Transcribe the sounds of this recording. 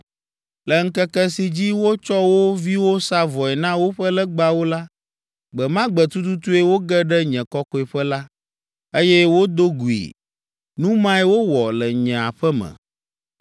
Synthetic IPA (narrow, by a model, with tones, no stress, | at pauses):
lɛ˨ŋ̩˦kɛ˦kɛ˦si˨d͡ʑi˦wo˦t͡ʃɔ˦wo˦vi˦wo˦sa˦vɔ˨ɛ˨nã˦wo˦ɸə˦lɛ˦ɡ͡ba˦wo˦la˦ | ɡ͡bɛ˨mã˦ɡ͡bɛ˨t̪u˦t̪̬u˦t̪u˦ɛ˦wo˦ɡɛ˦ɖɛ˦ɲɛ̃˨kɔ˦kɔ˦ɛ˨ɸɛ˦la˦ | e˦jɛ˦wo˦d̪o˦ɡu˨ḭ˨ | nũ˦mã˦ɛ˦wo˦wɔ˨lɛ˨ɲɛ̃˨a˨ɸɛ˦mɛ̰̃˨